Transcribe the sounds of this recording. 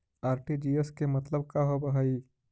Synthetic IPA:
aːɾʈid͡ʒieskemɐt̪ləb̚kaɦobɐɦai

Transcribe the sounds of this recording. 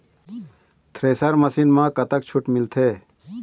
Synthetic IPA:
t̪ʰɾeːsəɾmɐsinmãːkɐt̪ək̚t͡ʃʰʊʈmɪlt̪ʰeː

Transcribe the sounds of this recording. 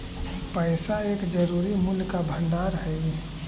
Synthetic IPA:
pəɪsaeːkd͡ʒəɾuːɾimulkabʱə̃nɖaːɾɦəj

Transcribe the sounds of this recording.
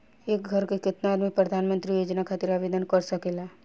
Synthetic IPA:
eːk̚ɡʱəɾkekɪt̪naaːd̪mik̚pɾəd̪ʱaːnmə̃nt̪ɾijoːd͡ʒnakʰat̪iɾaːbeːd̪ənkəɾsɐkela

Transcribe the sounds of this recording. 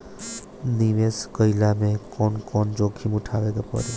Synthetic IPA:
niʋeskʌjlamekɔnkɔnd͡ʒokʰimuʈʰaʋekapʌ̰ɾi

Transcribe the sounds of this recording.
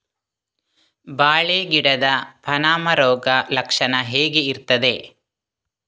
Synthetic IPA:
baːɭeːɡiɽɐd̪ɐpʰɐnaːmɐɾɔːɡɐlɐkʂɐnɐɦeːɡeiɾt̪ɐd̪e̞

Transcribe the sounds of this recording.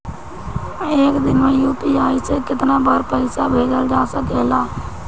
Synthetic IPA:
eːkd̪ɪnmẽjuːpiaːisekɪt̪nabəɾpəɪsabʱeːd͡ʒəld͡ʒaːsəkeːlaː

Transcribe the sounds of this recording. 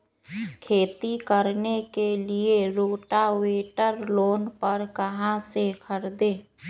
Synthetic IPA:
kʰeːt̪ikəɾnekelieɾoːʈaweːʈəɾloːnpəɾkɐɦãsekʰəɾd̪ẽː

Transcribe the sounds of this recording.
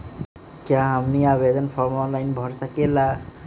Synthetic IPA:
kjãamniabezɔnpʰɔɾmɔnlajnbʱɔɾsakela

